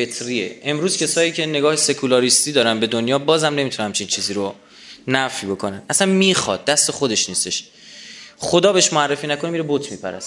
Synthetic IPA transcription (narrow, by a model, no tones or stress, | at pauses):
fe̞t̪ʰɾiːḛʔemɾuːz̥cʰesɒːjiːcʰe̞ne̞ɡɒːhese̞kʰulɒːɾist̪iːd̪ɒːɾænbe̞d̪onjɒːbɒːzhæmne̞mit̪ʰunæmt͡ʃʰint͡ʃʰiːziːɾo | næfjbokʰo̞nænæsænmiːxɒ̰d̪̚ːæst̪e̞xod̪e̞ʃniːst̪e̞ʃ | χod̪ɒːbeeʃmoærːefiːnæko̞nemiɾebot̪ʰmiːpʰæɾæ̰st̪